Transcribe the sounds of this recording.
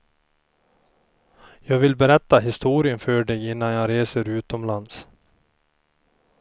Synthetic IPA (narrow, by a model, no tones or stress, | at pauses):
jɑːɡvɪlbɛɾɛt̪ːaɦɪst̪uːɾɪənfœːɖɛɡɪnːanjɑɾeːsəɾʉ̟ːt̪ɔmlans